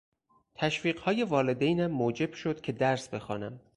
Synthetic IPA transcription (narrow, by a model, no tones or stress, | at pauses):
t̪ʰæʃfiːɢhɒːje̞vɒːled̪ejnæmːoːd͡ʒe̞b̥ʃod̪cʰe̞d̪æɾsbe̞xɒ̰ːnæm